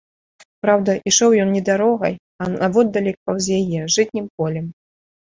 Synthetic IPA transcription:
pɾawd̪ɐʔiʂɔwjɔnnʲɛd̪aɾɔɣɐ̰j | ɐnɐvɔd̪ːɐlʲɛkɐwzʲjajɛʐɨt̪ʲnʲimpɔlʲɛm

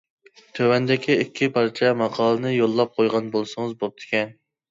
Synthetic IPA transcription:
t̪ʰøwɛnd̪ɪkʲʰiikʲʰːipʰɑɾt͡ʃʰɛmɑqʰɑːlˠɨnɨjolˠːɑp̚qʰojʁɑnbolˠsɨŋɨzbop̚t̪ʰɪ̥kʲʰɛn

